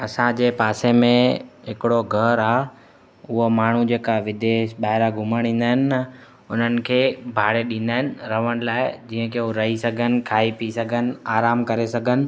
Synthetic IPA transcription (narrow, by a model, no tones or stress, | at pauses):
ɐsãd͡ʑeːpaːsemẽɦɪkɪɽoɡʱɐɾaː | ʊɦomaːɳ̤ud͡ʑeːkaʋɪd̪eːʃɓaːɦɪɾaɡʱʊmaːɽ̃ĩːn̆d̪aːɦɪnɪ̆ːɐ | ʊn̤ənɪ̆kʰeːbʱaːɽeɗĩːn̆d̪aːɦɪnɪ̆ɾɐʋəɽ̃laːɪd͡ʑiːə̃kʰeːoɾɐɦisɐɡʱənɪ̆kʰaːipisɐɡʱənɪ̆aːɾaːmkɐɾesɐɡʱənɪ̆